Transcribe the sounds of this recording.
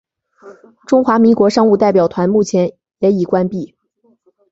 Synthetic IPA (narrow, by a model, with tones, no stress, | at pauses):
ʈ͡ʂʊ˥ŋxwa˧˥mi˧˥ŋkwɔ˧˥ʂɑ˥ŋu˥˧t̪̬a˥˩ɪp̬jɑ˨˩ʊt̪ʰwa˧˥nmu˥˩t͡ɕʰjɛ˧˥n | jɛ˧˥i˨˩kwa˥npi˥˩